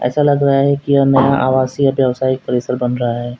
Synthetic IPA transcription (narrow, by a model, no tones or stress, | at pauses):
ɛ̰ːsalɐɡɾɐɦaɦɛkijanɐjãʔaːʋaːsijabjɐʋsaːɪk̚pɐɾeːsəɾbɐnɾɐɦaɦɛː